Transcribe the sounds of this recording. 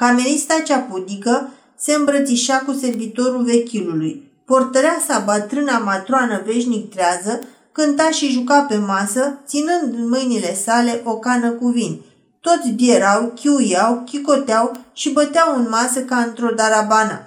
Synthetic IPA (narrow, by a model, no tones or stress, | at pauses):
kame̞ɾist̪at͡ʃapud̪ikə | se̞ɨmbɾət̪siʃakuse̞rvit̪o̞ɾulve̞kʲiluluj | port̪əɾeasabət̪ɾɨnamat̪ɾoanəve̞ʃnik̚t̪ɾeazə | kɨnt̪aʃiʒukape̞masət̪sinɨnd̪nmɨjnile̞sale̞ʔo̞kanəkuvin | t̪o̞t̪sʲbje̞ɾawkʲiujawkʲiko̞t̪eawʃibət̪eawɨnmasəkaɨnt̪ɾo̞d̪aɾabanə̰